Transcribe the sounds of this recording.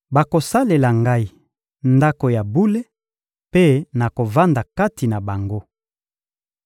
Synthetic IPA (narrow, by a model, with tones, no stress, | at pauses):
ba˨ko˨sa˦le˨la˨ŋɡa˦i˨ | nda˦ko˨ja˨bu˦le˦ | pe˦na˨ko˨va˦nda˨ka˦ti˨na˨ba˨ŋɡo˦